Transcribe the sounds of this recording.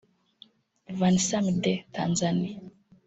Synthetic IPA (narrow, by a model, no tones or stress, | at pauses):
vanisamidɛta̰nzani